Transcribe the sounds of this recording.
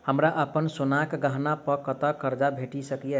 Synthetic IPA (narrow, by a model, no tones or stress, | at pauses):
həmɾaʔəpənsunakɡəɦnapəkət̪əkəɾd͡ʒabʱeʈisəkije